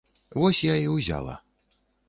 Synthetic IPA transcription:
vɔsʲjaiwzʲa̰lˠɐ̰

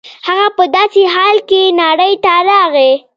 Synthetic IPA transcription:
haɣapəd̪ɑseɦɑlkenɑɽəjt̪aɾɑɣe

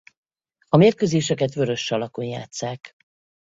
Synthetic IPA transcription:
ɒmeːrkøːzeːʃɛkɛt̪vø̞ɾø̞ʃːɒlɒkoɲja̰ːt̪saːk

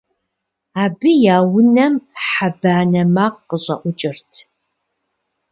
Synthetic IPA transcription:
aːbɨjaːwʊnɐmħabaːnɐmaːqːəɕʼɐ̰ʔʷʊt͡ʃʼɪrtʰ

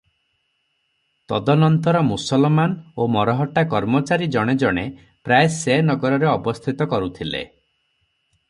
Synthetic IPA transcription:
t̪ɔd̪ɔnɔnt̪ɔɾɔmusɔlmanomɔɾɔɦɔʈakɔɾmɔt͡ʃaɾid͡ʒɔɽ̃ed͡ʒɔɽ̃e | pɾaesenɔɡɔɾɔɾeɔbɔst̪ʰit̪ɔkɔɾut̪ʰilḛ

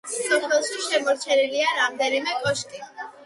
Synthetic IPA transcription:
sɔpʰɛlˠʃiʃɛmɔɾt͡ʃʰɛniliaɾamd̪ɛnimɛkʼɔʃkʼi

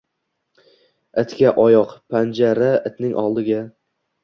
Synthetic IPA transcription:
ɪt̪kʲaʔɒjɒqpʰand͡ʒaɾaɪt̪nɪŋʔɒ̰lˠd̪ɪɡʲa

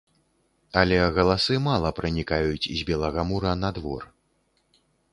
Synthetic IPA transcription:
ɐlʲɛɣɐlˠasɨmalˠɐpɾɨnʲikajut͡sʲizʲbʲɛlˠɐɣamuɾɐnad̪vɔ̰r

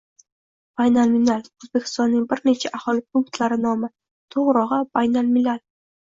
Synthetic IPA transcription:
b̥ajnalminalozbekʲʰɪ̥st̪ɒnːɪŋbɪɾne̞t͡ʃʰaʔahɒlɪpʰʊŋkt̪ʰlaɾɪnɒmɪ | t̪ʰoʁɾɒʁɑbajnalminal

